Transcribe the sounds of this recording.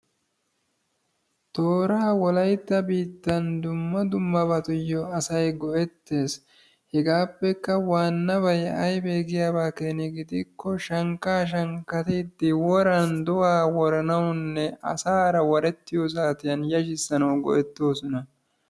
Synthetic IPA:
t̪oːɾaːwɔlɐjt̪ːɐbiːt̪ːɐnd̪ʊmːɐd̪ʊmːɐbɐt̪ʊjːɔɐsɐjɡɔʔɛt̪ːe̞ːs | hɛɡaːpːɛkːɐwaːnːɐbɐjɐjbeːɡɪjaːbaːkeːnɪɡɪd̪ɪkːɔʃɐŋkːaːʃ̬ɐŋkːɐt̪id̪ːɪwɔɾɐnd̪ɔwaːwɔɾɐnɐwnːɛɐ̰saːɾɐwɐɾɛt̪ːɪjɔs̬aːt̪ɪjɐnjɐʃɪsːɐnɐwɡɔ̰ʔɛt̪ːo̞ːsɔnɐ

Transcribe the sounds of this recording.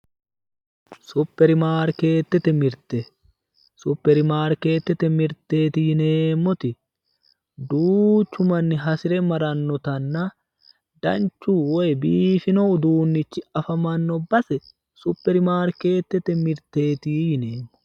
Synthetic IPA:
sʊpːɛɾɪmaːɾke̞ːt̪ːɛt̪ɛmɪɾt̪ɛ | sʊpːɛɾɪmaːɾke̞ːt̪ːɛt̪ɛmɪɾt̪ːe̞ːt̪ɪjɪneːmːɔt̪ɪ | d̪uːt͡ʃːʊmɐnːɪɦɐsɪɾɛmɐɾɐnːɔt̪ɐnːɐ | d̪̥ɐ̰nt͡ʃːuːwɔjbiːfɪnɔʊd̪uːnːɪt͡ʃːɪɐfɐmɐnːɔbɐsɛ | sʊpːɛɾɪmaːɾke̞ːt̪ːɛt̪ɛmɪɾt̪e̞ːt̪iːjɪne̞ːmːɔ̥

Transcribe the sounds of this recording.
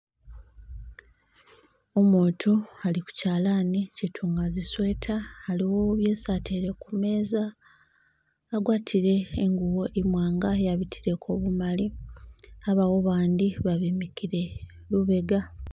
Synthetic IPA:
omoːtʰoaliku̥caːlaːnicitʰuːŋɡaziswe̞ːtʰaːliwo̞βje̞ːsatʰeɾe̞kume̞ːza | ɡwaːtʰiɾe̞ːŋɡuwo̞ʔimwaːŋɡaejaβitʰiɾe̞kʰoβumali | aβawo̞βaːnd̪iβaβimikʰiɾe̞ | luβe̞ɡa

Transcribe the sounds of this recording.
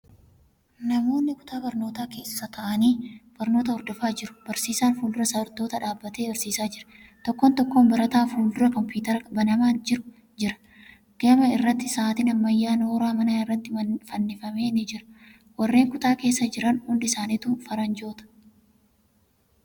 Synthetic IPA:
nɐmo̞ːnːɪkʊ̥t̪aːbɐɾno̞ːt̪aːke̞ːssɐt̪ʰɐʔɐniːb̥ɐɾno̞ːt̪ɐhɔɾd̪ɔfaːd͡ʒɪɾʊ̥b̥ɐɾsiːsaːnfuːld̪ʊɾɐsɐɐɾt̪o̞ːt̪ɐᶑaːbːɐt̪eːbɐɾsiːsaːd͡ʒɪɾɐ̥ | t̪ɔkːont̪ɔkːoːnbɐɾɐt̪aːfuːld̪ʊɾɐkɔmpuːt̪ɐɾɐbɐnɐmaːnd͡ʒɪɾʊ | d͡ʒɪɾɐ̥ | ɡ̥emɐɪrːɐt̪ːɪsaːt̪ɪnɐmːɐjːaːnoːɾaːmɐnaːɪrːɐt̪ːɪfɐnːɪfɐme̞ːnɪd͡ʒɪɾɐ̥ | wɐrːe̞ːŋkʊt̪aːke̞ːsːɐd͡ʒɪɾɐnhʊnd̪ɪsaːnit̪uːfɐɾɐnd͡ʒo̞ːt̪ɐ̥

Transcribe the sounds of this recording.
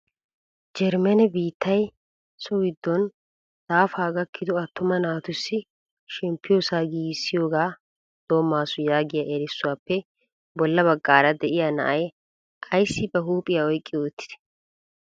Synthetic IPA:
d͡ʒɛɾmɛnɛbiːt̪ʰːɐj | sɔwɪd̪ːɔn | d̪̥aːfaːɡɐkʰːɪd̪ɔɐt̪ːʊmɐnaːt̪ʊsːɪ | ʃɛmpːɪjɔsaːɡiːsːɪjoːɡaː | d̪̥oːmːaːsʊjaːɡɪjaʔɛɾɪsːʊwaːpːɛ | bɔlːɐβɐɡːaːɾɐd̪ɛʔɪjanɐ̰ʔɐj | ʔɐjsːɪbɛɦuːpʼːɪjaɔjkʼːɪoːt̪ːɪ̥d̪̥ɛ̥

